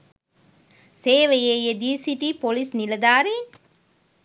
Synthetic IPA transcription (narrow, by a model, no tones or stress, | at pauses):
seːʋɐjejed̪iːsiʈipolisnilɐd̪aːɾi